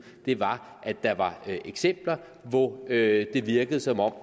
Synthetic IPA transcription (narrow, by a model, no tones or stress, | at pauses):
d̥e̝ʋɑ̈ | ʔæ̥ɑ̈ʋɑ̈ʔeɡ̥sem̰b̥lɐ | ʋɒød̥e̝ʋiɐɡ̥əð̞̩ˠsɒ̽mɒ̽m̰